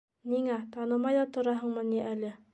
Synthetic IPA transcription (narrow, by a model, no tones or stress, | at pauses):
niŋæt̪ɑnɤ̆mɑjðɑt̪ŏɾɑɦɤ̆ɴmɤniʔælɘ